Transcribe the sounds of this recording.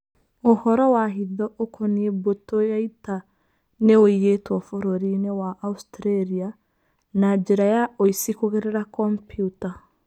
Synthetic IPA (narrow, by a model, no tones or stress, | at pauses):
ohɔɾɔwaɦiðɔʔokʰoniebotojaita | neoijetwɔfoɾoɾinewaʔaustɾeɾia | nad͡ʒeɾajaoisikoɣeɾeɾakɔmpjuta